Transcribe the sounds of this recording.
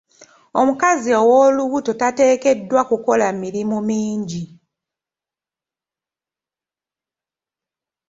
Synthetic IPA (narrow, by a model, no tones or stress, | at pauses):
o̞mukaziowoːluβuto̞tate̞ːke̞dwakuko̞lamiɾimumiːɲɟi